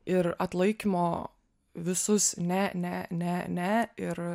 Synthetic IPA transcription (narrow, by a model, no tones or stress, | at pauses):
ɪɾɐt̪lˠɐɪkʲimoː | ʋʲɪsʊsnʲɛnʲɛnʲɛnʲɛɪɾ